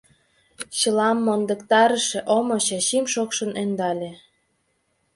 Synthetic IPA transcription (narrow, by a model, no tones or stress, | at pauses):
t͡ɕɤlɑmːond̪ə̆kt̪ɑɾə̆ʃĕʔomoɕɑɕimʃokʃə̆nend̪ɑlʲĕ